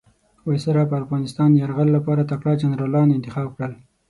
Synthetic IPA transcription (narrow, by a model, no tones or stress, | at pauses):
wajsaɾap̬əafɣɑnɪst̪ɑnd̪jaɾɣallapɑɾat̪akɽɑd͡ʒanɾɑlɑnɪnt̪ɪxɑb̚kɽəl